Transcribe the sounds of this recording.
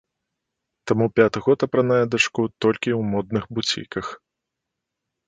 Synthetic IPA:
t̪amupʲat̪ɨɣɔt̪ɐpɾɐnajɛd̪ɐt͡ʂkut̪ɔlʲkʲiuwmɔd̪̚nɨxbut͡sʲḭkɐx

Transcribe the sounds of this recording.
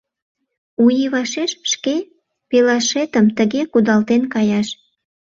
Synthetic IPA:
ujiβɑʃeʃʃke | pelɑʃet̪əmt̪əɣekud̪ɑlt̪enkɑjɑʃ

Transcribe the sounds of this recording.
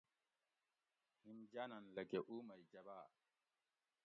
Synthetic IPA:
himd͡ʒaːnanlɐkeʔumajd͡ʒabaː

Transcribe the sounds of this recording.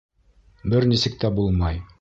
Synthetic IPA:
bɘɾnisɘ̆k̚t̪æbulˠmɑj

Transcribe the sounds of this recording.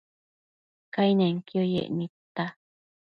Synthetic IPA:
kainẽŋkiojḛʔnit̪ːa

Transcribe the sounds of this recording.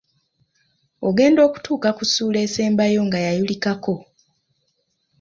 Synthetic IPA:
oɡe̞ːndo̞ːku̥tuːkakusuːle̞ːse̞ːmbajo̞ŋɡajajulikako̞

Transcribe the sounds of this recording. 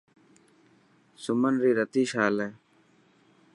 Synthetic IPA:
sʊmənɾiːɾət̪iːʃaːleː

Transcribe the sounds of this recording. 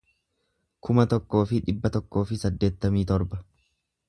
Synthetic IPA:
kʰʊmɐt̪ɔkːo̞ːfɪᶑɪbːɐt̪ɔkːo̞ːfɪsɐd̪ːe̞ːt̪ːɐmiːt̪ɔɾbɐ

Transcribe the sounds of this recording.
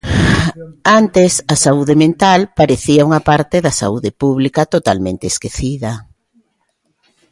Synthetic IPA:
ant̪esɐsauðemẽnt̪alpaɾeθiɐuŋɐpaɾt̪eðɐsa̰uðepuβlikɐt̪ot̪a̰lmẽnt̪eːskeθiðɐ

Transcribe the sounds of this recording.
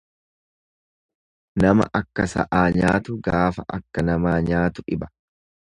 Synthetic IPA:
nɐmɐ̰ʔɐkːɐsɐ̰ʔaːɲaːt̪ʊɡaːfɐʔɐ̰kːɐnɐmaːɲaːt̪ʊᶑɪbɐ̥

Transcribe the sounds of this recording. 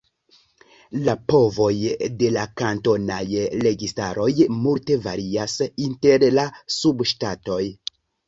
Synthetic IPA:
lapo̞vo̞jde̞lakanto̞najɾe̞ɡistaɾo̞jmulte̞vaɾiasinte̞ɾlasubʃtato̞j

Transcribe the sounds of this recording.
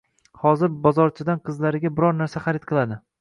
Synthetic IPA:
hɒzɪɾbɒzɒɾt͡ʃʰɪd̪anqʰɨzlaɾɪɡʲabɪɾɒɾnaɾsaχaɾɪt̪̚qʰɨlˠad̪ɪ

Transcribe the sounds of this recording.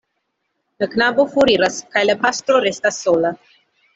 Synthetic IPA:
laknabofuɾiɾaskajlapast̪ɾoɾest̪asːola

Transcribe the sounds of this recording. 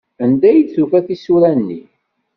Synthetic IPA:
ənd̪æjəd̪θukæθisuɾænːi

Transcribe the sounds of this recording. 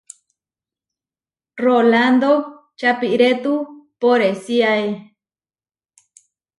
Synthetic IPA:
roland̪o | t͡ʃapiʔɾet̪upoɾesiae

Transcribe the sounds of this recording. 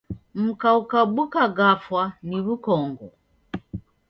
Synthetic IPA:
m̩kaukaɓukaɡafwaniβukɔŋɡɔ

